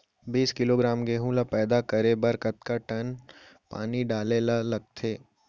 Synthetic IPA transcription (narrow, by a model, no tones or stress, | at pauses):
biːskɪloːɡɾaːmɡeːɦũlapɛːd̪akɐɾebɐɾkət̪kaʈɐn | pa̰ːniɖaːlelalɐɡ̚t̪ʰeː